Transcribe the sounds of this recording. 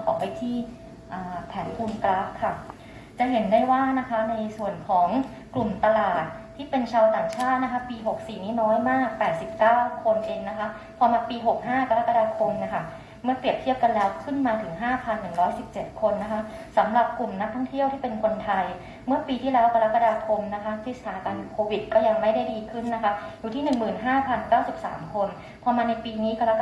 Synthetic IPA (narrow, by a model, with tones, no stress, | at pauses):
kʰɔː˨˩˦pa˧jt̪ʰiː˥˩ | ʔaː˨˩pʰɛː˩˦npʰuː˧nklaː˦˥kʰːa˥˩ | t͡ɕa˨˩ɦe˩˦ndaː˥˩jwaː˥˩na˦˥kʰa˦˥na˧jsu˨˩ənkʰɔː˩˦ŋ | klu˨˩mt̪a˧laː˨˩t̪̚ʰːiː˥˩pe˧nt͡ɕʰaː˧wt̪aː˨˩ŋt͡ɕʰaː˥˩t̪̚na˦˥kʰa˦˥piː˧ɦo˨˩k̚siː˨˩niː˦˥nɔː˦˥jmaː˥˩k̚pɛː˨˩t̪̚si˨˩p̚kaː˥˩wkʰo˧nʔeː˧ŋna˦˥kʰa˦˥ | pʰɔː˧maː˧piː˧ɦo˨˩k̚ɦaː˥˩ka˧ɾa˦˥kːa˧daː˧kʰo˧mni˥˦˥kʰa˥˩ | mɯ˥˩ɐpɾi˨˩əp̚t̪ʰi˥˩əw̚ka˧nlɛː˦˥wkʰɯ˥˩nmaː˧t̪ʰɯ˨˩˦ŋɦaː˥˩pʰa˧nːɯ˨˩ŋɾɔː˦˥jsi˨˩p̚t͡ɕe˨˩t̪̚kʰo˧nːa˦˥kʰa˦˥ | sa˩˦mɾa˨˩p̚ku˨˩mna˦˥k̚t̪ʰɔ˥˩ŋt̪ʰi˥˩əwt̪ʰiː˥˩pe˧nkʰo˧nt̪ʰa˧j | mɯ˥˩ɐpiː˧t̪ʰiː˥˩lɛː˦˥wkʰa˧ɾa˦˥kːa˧daː˧kʰo˧mna˦˥kʰa˦˥kʰɾi˦˥sʰaː˩˦ka˧nkʰoː˧wi˨˩t̪̚kɔː˥˩ja˧ŋma˥˩jda˥˩jdiː˧kʰɯ˥˩nːa˦˥kʰa˦˥juː˨˩iː˥˩nɯ˨˩ŋmɯː˨˩nɦaː˥˩pʰa˧nkaː˥˩wsi˨˩p̚sa̰ː˩˦mkʰo˧n | pʰɔː˧maː˧na˧jpiː˧niː˦˥ka˧ɾa˦˥